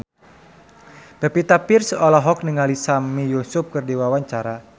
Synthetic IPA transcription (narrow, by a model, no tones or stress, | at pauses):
b̥ɛpit̪apirsɔlɔɦɔk̚nəŋalisamijusup̚kɨrdiwawaɲt͡ʃaɾa